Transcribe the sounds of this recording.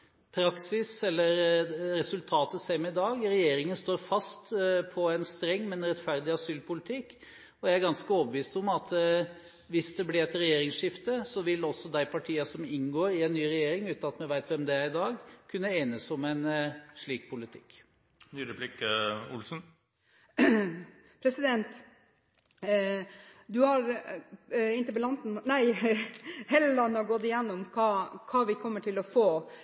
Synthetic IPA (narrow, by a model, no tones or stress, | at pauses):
pʰɾɑksɪsɛlːəɾɾɛsʉlt̪ʰɑːt̪əsæɪmɛɪd̪ɑːɡɾɛjeːɾɪŋənst̪oːɾfɑst̪pʰɔɛnst̪ɾɛŋːmɛnɾɛt̪fæɾd̪ɪɑsyːlpʊlɪt̪ʰɪkː | ɔjææɾɡɑnskəoːbəʋiːst̪ɔmɑt̪ | ʋɪsd̪ɛblɪɾɛt̪ɾɛjeːɾɪŋsʂɪft̪əsɔʋɪlːɔsːɔd̪æɪpʰɑʈʰiːɑsɔmɪnɡoːɾɪɛnːyːɾɛjeːɾɪŋʉːt̪nɑt̪mɛnʋæɪt̪ʋɛmd̪ɛæɾɪd̪ɑːɡkʰʉnːəeːnəsɔmɛnʂɭiːkpʰʊlɪt̪ʰɪ̥kː | nyːɾɛpʰlikəʊ̰lsn̩ | pʰɾɛsɪd̪ɛnt̪ | d̪ʉhɑɾ | ɪnt̪əbəlɑnt̪n̩næɪ | hɛlːəlɑnəɡɔd̪ɪjɛnːʊmkʰɑːkʰɑːʋɪkʰɔmːəʈʰɪlɔfoː